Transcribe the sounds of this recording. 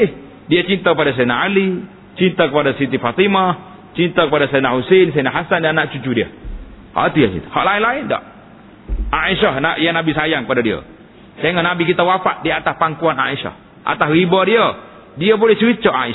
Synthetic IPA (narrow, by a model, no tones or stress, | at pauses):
h | diət͡ʃint̪akəpadas̬enaali | t͡ʃint̪akəpadasit̪̬ifat̪ima | t͡ʃint̪akəpadasanahusens̬anaɦasandanːaʔt͡ʃut͡ʃudiə̰ | ha̰ʔt̪ijasḭt̪u̥ha̰ʔlaɪnlaɪnda̰ʔ | aiʃahnaʔjaŋnabisajaŋkəpadadiə̰ | t̪eŋɔnabikit̪awafaʔ̚diaat̪ahpaŋkuana̰isa̰h | ʔa̰t̪ahribadiə | diəbolɛht͡ʃəɾit͡ʃəʔa̰i